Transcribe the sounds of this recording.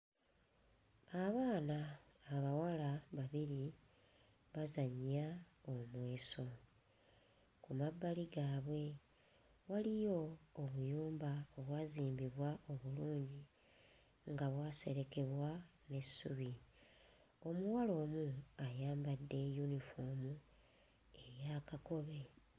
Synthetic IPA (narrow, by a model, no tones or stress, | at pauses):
aβaːnaːβawalaβaβiɾi | βazaɲːaomwe̞ːso̞ | kumabːaliɡaːβwe̞ | walijo̞ːβujuːmbaoβwaːziːmbiβwao̞βuluːɲɟi | ŋɡaβwaːse̞ɾe̞ke̞βwane̞sːuβi | o̞muwalo̞ːmuajaːmbadːe̞junifoːmu | e̞ɾjaːkako̞βe̞